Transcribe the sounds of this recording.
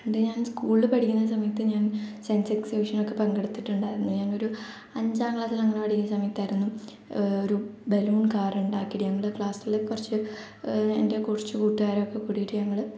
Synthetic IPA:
eɳɖ̪ɨɲaːnskuːɭɨpɐɽikʲːunːɐs̬ɐmɐjɐt̪ːɨɲaːnsenseksʋiʂɐno̞kːe̞pɐŋɡe̞ɽut̪ːiʈːuɳɖaːjiɾunːuɲaːno̞ɾu | ɐɲd͡ʑaːŋkɭaːsilɐŋːɐnepɐɽikʲːunːɐsɐmɐjɐt̪ːaːjiɾunːu | oɾubeluːɳkaːruɳɖaːkːiɽiɲɐŋːɐɭkɭaːsilkurɐt͡ɕːɨ | ende̞kurɐt͡ɕːɨkuːʈːuɣaːɾokːe̞kuɽijiʈːɨɲɐŋːɐɭ

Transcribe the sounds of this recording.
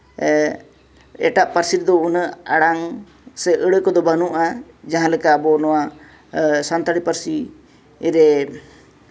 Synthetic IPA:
ɛʈaʔpaɾsiɾd̪ɔunəaɽaŋ | sɛʔəɽəkɔd̪ɔbanuʔa | d͡ʒaɦãlɛkabɔnɔwa | sant̪aɽipaɾsi | ɾɛ

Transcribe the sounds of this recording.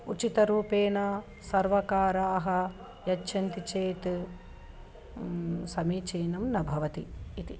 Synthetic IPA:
ut͡ʃit̪ɐɾuːpeːnɐ | sɐɾʋɐkaːɾaːɦɐ | jɐt͡ʃːʃʰɐnt̪it͡ʃeːt̪ | sɐmiːt͡ʃeːnɐmnɐbʱɐʋɐt̪iːt̪i

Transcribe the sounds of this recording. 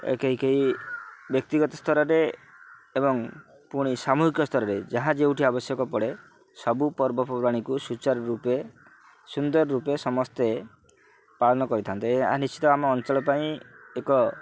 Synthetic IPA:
ḛkeɦikeɦibjɔk̚t̪iɡɔt̪ɔst̪ʰɔɾɔɾe | ebɔŋ | puɽ̃isamuɦikɔst̪ʰɔɾɔɾed͡ʒaɦãd͡ʒeuʈʰiabɔsjɔkɔpɔɽe | sɔbupɔɾbɔpɔbɾaɽ̃ikusut͡ʃaɾɔɾupe | sund̪ɔɾɔːupesɔmɔst̪e | palɔnɔkɔɾit̪ʰant̪ia̰nist͡ʃi̥t̪ɔamɔːnt͡ʃɔɭɔpaĩekɔ

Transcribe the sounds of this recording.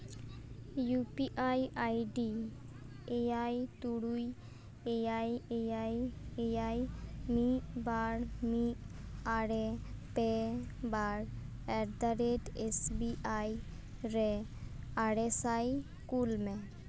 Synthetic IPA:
jupiʔajajɖi | ejajt̪uɽuj | eajeajejajmitbaɾmit̪aɽepebaɽ | ɛɾd̪aɾeʈesbiʔaj | ɾɛ | aɾesaj | kulme

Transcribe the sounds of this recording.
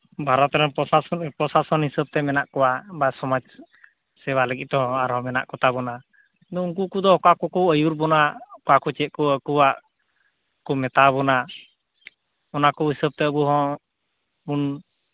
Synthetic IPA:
bʱaɾɔt̪ɾɛpɔsasɔpɾɔsasɔnhisəb̚t̪ɛmɛnaʔkɔwabasɔmad͡ʒ | sɛwaləɡiʔ̚t̪ɔɦaɾɦɔ̃mɛna̰ʔkɔt̪abɔna | d̪ɔuŋk̬ukud̪ɔkakɔkɔəjuɾbɔnakɔakɔt͡ʃɛt̪̚kɔəkuwaʔ | kɔmɛt̪abɔna | ɔnakɔɦisəb̚t̪ɛəbuɦɔ̃ | bun

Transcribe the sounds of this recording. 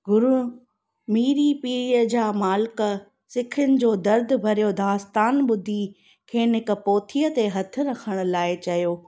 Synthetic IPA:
ɡʊɾu | miːɾipiːɾijəd͡ʑaːmaːlɪkə | sɪkʰʊnɪ̆d͡ʑoːd̪ɐɾd̪ʱbʱɐɾijod̪aːst̪aːnɓʊd̪ʱi | kʰeːnɦɪk̆poːt̪ʰiət̪eɦɐt̪ʰʊ̆ɾɐkʰəɽ̃ʊ̆laːɪt͡ɕɐjoː

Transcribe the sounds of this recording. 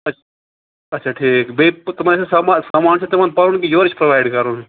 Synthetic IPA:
ɐ | ɐtːʃʰaʈʰiːkbʱɐit̪ɐmaːnsesamasaːmaːnt͡ʃʰet̪ɐmaːnpɐɾunkijoːɾt͡ʃʰpɾoʋaːɪɖkɐɾun

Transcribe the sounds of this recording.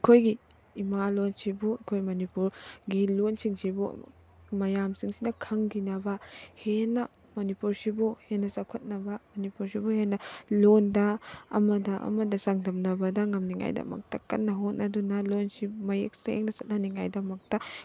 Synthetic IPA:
kʰojɡiː | malonsibuɐkʰojmɐnipuɾɡilonsiŋsibṵ | mɐjamsiŋsinɐkʰɐŋɡinɐbɐhenɐ | monipuɾsibuhenːɐsakʰot̚nɐbamonipuɾsibuhenːɐlondɐːmɐdɐʔɐ̰mɐdɐsaŋdʱɐmnɐbɐdɐŋɐmniŋa̰jdɐ̰mɐ̰k̚tɐkɐ̰nːɐɦot̚nɐdunalonsibmɐjḛk̚sḛŋnɐsɐt̚naniŋajdɐmɐk̚ta

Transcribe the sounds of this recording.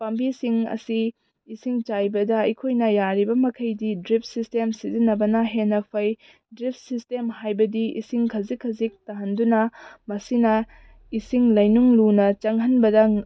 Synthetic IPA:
pɐmbisiŋɐ̰siː | siŋt͡ʃajbɐdɐɐjkʰojnɐjaɾibɐmɐkʰɐjdidɾip̚ʰsistemsizinːɐbɐnɐɦenːɐpʰɐj | dɾip̚ʰsistemhajbɐdiḭsiŋkʰɐzikʰːɐzik̚taɦɐndunɐmɐsinɐ | isiŋlɐjnuŋlunɐt͡ʃɐŋɦɐnbɐdɐ

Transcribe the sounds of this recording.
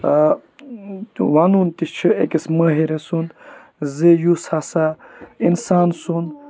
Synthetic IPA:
wanunt̪it͡ʃʰɨekisməːɦeɾesun | zijusasainsaːnsun

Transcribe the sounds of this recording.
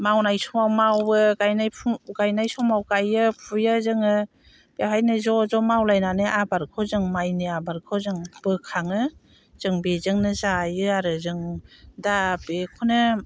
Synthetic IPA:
mawnajsɔmawmawbɯɡajnajpʰɡajnajsɔmawkajɯpʰujɯzɯŋɯ | b̥eɦajnɯzɔzɔmawlajnanɯʔabaɾkʰɯzɯŋmajnɯabaɾkʰɯzɯŋb̥ɯkʰaŋɯ | z̥ɯŋbezɯŋnɯzajɯaɾɯzɯŋdabekʰɔnɯ

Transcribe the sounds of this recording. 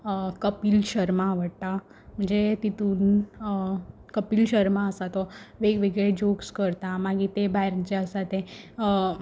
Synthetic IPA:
kəpiːlɕəɾmãʋəɽt̪a | m̤əɳd͡zet̪it̪uːn | kəpiːlɕəɾmãəsat̪ɔʋeɡʋeɡɭed͡ʑokskəɾt̪amaɡit̪ebʱajɾnt͡ɕeəsat̪e

